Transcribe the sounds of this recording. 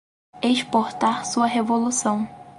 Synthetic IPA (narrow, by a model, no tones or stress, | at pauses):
eʃpoɾt̪aɾsuɐɦevolusɐ̃w̃